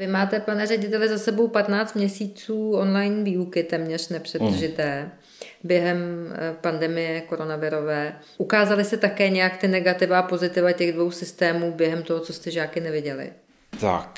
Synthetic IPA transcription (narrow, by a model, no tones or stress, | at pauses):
vɪmaːt̪ɛpanɛːrɛɟɪt̪ɛlɪzasɛbo̞wpat̪naːt͡st̪mɲɛsiːt͡suːʔo̞nlajnviːukɪt̪ɛːmɲɛr̝nɛpr̝̥ɛd̪r̩ʒɪt̪ɛː | bjɛɦɛmpandɛmɪjɛko̞ɾo̞navɪɾo̞vɛː | ʔukaːzalɪst̪ɛt̪akɛːɲɛjakt̪ɪnɛɡat̪ɪvaːpo̞zɪt̪ɪvacɛɣdvo̞wsɪst̪ɛːmuːbjɛɦɛmt̪o̞ɦot͡so̞st̪ɛʒaːkɪnɛvɪɟɛlɪ̰ | t̪a̰k